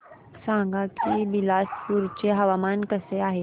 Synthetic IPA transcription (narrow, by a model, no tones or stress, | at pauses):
sãːŋɡakibilaːspuːɾt͡ɕeɦɐʋamaːnkəseaːɦe